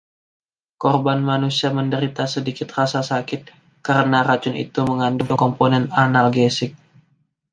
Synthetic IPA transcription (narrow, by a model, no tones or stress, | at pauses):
kɔrbanmanusiaməndəɾit̪asədikɪt̪rasasakɪt̪̚ | kaɾənaɾat͡ʃʊnḭt̪uməŋandʊkɔmponɛnanalɡɛsɪk̚